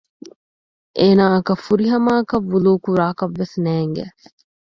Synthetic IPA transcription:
ʔeːnaːɐkɐfuɾiɦɐmaːkɐʋːuluːkuɾaːkɐʋːesnæːŋɡæ̰

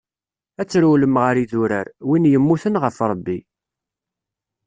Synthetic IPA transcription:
æt͡sːɾuləmʁəɾiðuɾæɾwinjəmːuθənʁəfɾˤəbːi

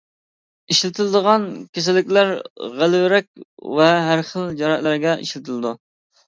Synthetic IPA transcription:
iʃlɪt̪ʰɪlɨd̪əʁɑnkʲʰes̬ɪlɪkʲlæɾʁælɪwɪɾɛkʲvɛɦæɾχəlˠd͡ʒɑɾɑt̪læɾɡʲɛʔḭʃlɪt̪ʰɪlˠɨd̪u

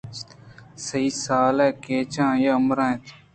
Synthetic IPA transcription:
səiːsaːlɛːkeːt͡ʃãːjaəmɾãːẽːt̪ː

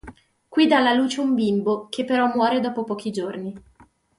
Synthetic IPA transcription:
kwiːd̪aːlːaluːt͡ʃeumbimbokʰepːeɾɔmːwɔːɾed̪ɔːpopɔːk̟id͡ʒorni

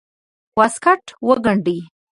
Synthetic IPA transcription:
waskaʈwəɡaɳɖi

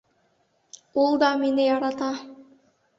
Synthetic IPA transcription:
ulˠd̪ɑmenejɑɾɑt̪ɑ

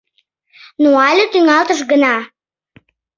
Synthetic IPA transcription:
nuɑlʲət̪yŋɑlt̪əʃ̬ɡənɑ

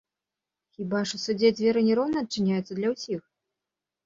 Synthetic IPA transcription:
xʲibaʂusud͡zʲed͡zʲvʲɛɾɨnʲɛɾɔwnɐɐt̪̚t͡ʂːɨnʲajut̪sːɐd̪lʲɐwsʲix

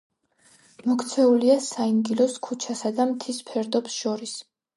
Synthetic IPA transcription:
mɔkʰt̪sʰɛuliasaiŋɡilɔskʰut͡ʃʰasad̪amt̪ʰispʰɛɾd̪ɔpsʃɔɾis

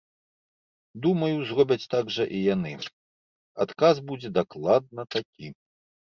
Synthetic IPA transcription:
d̪umɐjuzɾɔbʲɐt͡sʲt̪aɡʐɐʔijanɨ | at̪kazbud͡zʲɛd̪aklˠad̪̚nɐt̪akʲi

